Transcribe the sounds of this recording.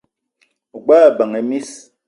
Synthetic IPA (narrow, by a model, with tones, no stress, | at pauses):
ɡ͡baː˦˨bə˨ŋe˨mi˦s